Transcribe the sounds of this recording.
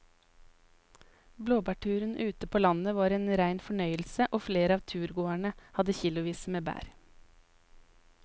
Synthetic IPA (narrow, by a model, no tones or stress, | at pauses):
bloːbæːʈʰʉːɾənʔʉːt̪əpʰoːlɑnəʋɑːɾeːnɾæɪnfɔɳœʏəlsəʔoːfleːɾɑːʋt̪ʰʉːɾɡoːæɳəhɑd̪əçilʊʋiːsmeːbæ̰ːɾ